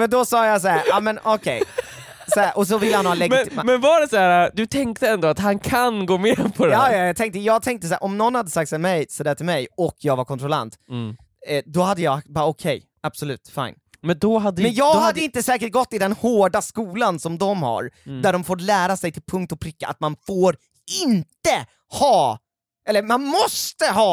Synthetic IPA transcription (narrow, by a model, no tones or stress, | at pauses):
mɛnd̪ɔsɑːjɑs̬aæɾʔɑːmɛnɔkʰɛ̰j | sɔæʔɔs̬ɔvɪlːəhanhɑːlɛɡ̪ɪmɛnvɑɖɛsaæːɾad̪ɵt̪ʰɛŋk̚t̪əɛnd̪oːat̪hankʰanɡoːmeːpʰɔɾɛːjɑjɑt̪ʰɛŋkt̪əjɑːɡ̚t̪ʰɛŋk̚t̪əsæːɾʔɔmnɔnːhad̪ːəsak̚t̪sɛmɛjsɔd̪æːʈʰɪlmɛjɔkjɑːɡvaɾkʰɔnt̪ʰɾɔla̰nt̪ | d̪ɔhad̪ːəjɑːbɑːɾaɔkʰɛj | ab̥sɔlʉ̟ːt̪fa̰jn | mɛnd̪ɔɦad̪ːəmɛnjɑːɡhad̪ːəɪnt̪əsɛːkəʈ̚ɡɔt̪ːɪd̪ɛnhoːɖaskuːlansɔmd̪ɔmha̰ɾd̪æɖɔmfoːɾlæːɾasɛjt̪ʰɪlpʰɵŋkt̪ɔpʰɾɪkːa̰ʔa̰t̪manfoːɾ | ɪnt̪ə | hɑː | ʔɛlːəɾmanmɔst̪əɦɑː